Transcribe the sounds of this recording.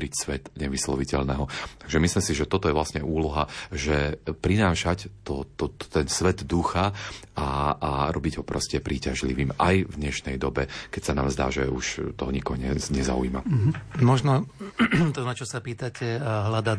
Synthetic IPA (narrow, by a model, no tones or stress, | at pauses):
ɾicsʋɛt̪ɲɛʋislɔʋicɛʎnɛɦɔt̪aɡʒɛmislimsiʒɛt̪ɔt̪ɔjɛʋlasɲɛʔuːlɔɦaʒɛpɾinaːʃact̪ɔt̪ɔɛnsʋɛd̪d̪uxaaːɾɔbiɟɦɔpɾɔscɛpɾiːcaʒliʋiːmʔa̰jvd̪ɲɛʃnɛjd̪ɔbɛkɛcsanaːmzd̪a̰ːʒɛ̰uʃt̪ɔɦɔɲikɔɦɔɲɛɲɛza̰ṵima̰mɔʒnɔ | t̪ɔnat͡ʃɔsapiːt̪acɛɦlad̪a